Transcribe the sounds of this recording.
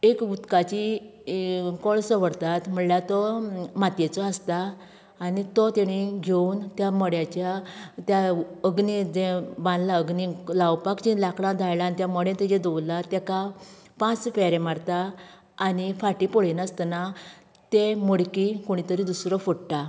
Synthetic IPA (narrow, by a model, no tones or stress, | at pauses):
ekɡut̪kat͡ɕi | kɔɭsəʋəɽt̪at̪m̤əɳljat̪ɔmat̪jet͡sɔast̪aː | nit̪ɔt̪eɽ̃iɡʱeunt̪jamɔɽjat͡ɕjat̪jaəɡnid͡zẽbãnd̪laəɡnilawpakd͡ʑĩlakɭãd̪ʱajlanit̪jamɔɽẽt̪ed͡ʑɛ̃d̪ɔwlat̪jɛka | pãt͡sfɛɾẽmaɽt̪aː | nifaʈipɔɭinəst̪na | t̪emɔɽkikoɽ̃it̪əɾid̪usɾɔfɔɽʈa